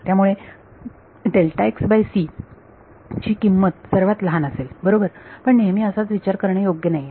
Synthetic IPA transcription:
t̪jamuɭe | ɖelʈaeksbajsi | t͡ɕiːkimːət̪səɾʋat̪ləɦanəselbəɾobəɾpəɳnemiːəsat͡sʋit͡ɕaɾkəɾɳejoɡjənaje

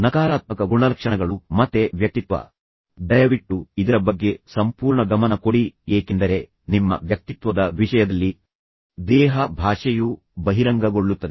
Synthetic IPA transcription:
nɐkaːɾaːt̪̚mɐkɐɡuɳɐlɐkʂɐɳɐɡɐɭumɐt̪ːe̞ʋjɐk̚t̪it̪ʋɐ̰ | d̪ɐjɐʋiʈːuid̪ɐɾɐbɐɡːe̞sɐmpuːɾɳɐɡɐmɐnɐko̞ɽieːkend̪ɐɾe̞ | nimːɐ̰ʋjɐk̚t̪it̪ʋɐd̪ɐʋiʂɐjɐd̪ɐlːi | d̪ɛːɦɐbʱaːʂɛju | bɐɦiɾɐŋɡɐɡoɭːut̪ːɐd̪e

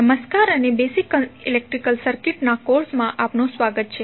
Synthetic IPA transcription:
əməskaɾənebesikəilek̚ʈɾikəlsəɾkiʈnakoɾsmãʔapnõsʋaɡət̪̚t͡ʃʰe

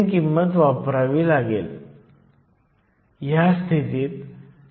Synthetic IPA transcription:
kimːət̪ʋapɾaʋiːlaɡel | jast̪ʰit̪iːt̪

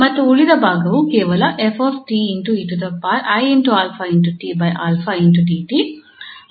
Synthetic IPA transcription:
mɐʈ̪ːuuɭid̪ɐbaːɡɐukeːʋɐlɐʔefoːfʈiːiɳʈuiʈut̪̬ɐpːaːɾɐjinʈuaːlfʰainʈuʈiːbɐjʔaːlfʰainʈuʈiːʈi

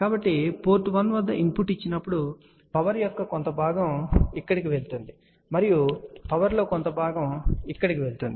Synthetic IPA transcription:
kaːbɐʈːipo̞ːɾʈʋɐnʋɐd̪ːɐʔimpuːʈit͡ʃːinɐpːuɽu | pɐʋɐɾjokːɐkont̪ɐbʱaːɡɐmikːɐɽikiʋe̞ɭt̪und̪i | mɐɾijupɐʋɐɾlo̞ːkont̪ɐbʱaːɡɐmikːɐɽikiʋe̞ɭt̪und̪i

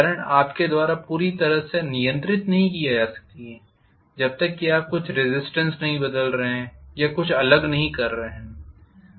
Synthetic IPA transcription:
kaɾə̃ɳʈaːpked̪waːɾapuːɾit̪ɐɾəɦsenijə̃nt̪ɾɪt̪nɐɦĩkijad͡ʒaːsɐ̥k̚t̪iɦɛː | d͡ʒɐb̚t̪ɐkːiaːp̚kʊt͡ʃʰɾɪzɪsʈə̃nsnɐɦĩbɐd̪əlɾɐɦɛ̃ːjakʊt͡ʃʰɐləɡnɐɦĩkɐɾːɐɦɛ̃ː

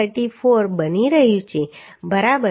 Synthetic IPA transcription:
əʈifʰoɾbəniɾəɦjũt͡ʃʰe | bəɾabə

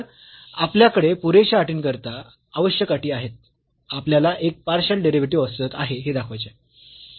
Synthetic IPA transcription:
apljakəɽepuɾeɕəaʈiːnkəɾt̪aː | ʋəɕjəkaʈiːaɦet̪̚ | apljalaʔek̚paɾɕəlɖeɾiʋiʈ̬iːɔst̪ət̪aɦeɦed̪akʰʋajt͡ɕe

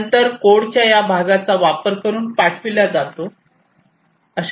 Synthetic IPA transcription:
nt̪əɾkoɽt͡ɕjajabʱaɡat͡saʋapəɾkəɾuːnpaʈʰʋilad͡zat̪o | əɕ

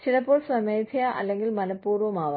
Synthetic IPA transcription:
t͡ʃilɐpoːɾsɐmɐjt̪ʰijaʔɐ̰lːeŋɡilmɐnɐpːuːɾʋomaːʋ

